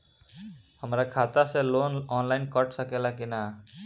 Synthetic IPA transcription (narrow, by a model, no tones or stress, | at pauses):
həmɾakʰat̪asẽlonɔnlaɪnkəʈʰsəkelakina